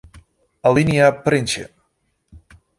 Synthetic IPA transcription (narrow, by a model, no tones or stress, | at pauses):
aliniapɾent͡ʃḛ